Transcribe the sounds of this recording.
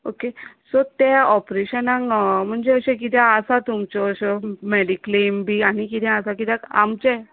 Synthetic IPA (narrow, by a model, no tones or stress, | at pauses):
okesɔt̪ɛɔpɾeɕənãŋm̤əɳd͡zeəɕẽk̬it̪jɛ̃əsat̪umt͡ɕɔɕɔmeɽiklembʱiañikit̪ʰɛ̃əsãkit̪ʰjɛ̃ka̰mt͡ɕɛ